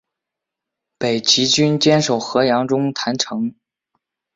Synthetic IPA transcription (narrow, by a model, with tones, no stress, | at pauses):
pe˨˩ɪt͡ɕi˧˥t͡ɕy˥nt͡ɕjɛ˥nʂo˨˩ʊxɤ˧˥jɑ˧˥ŋʈ͡ʂʊ˥ŋt̪ʰa˧˥nʈ͡ʂʰɤ˧˥ŋ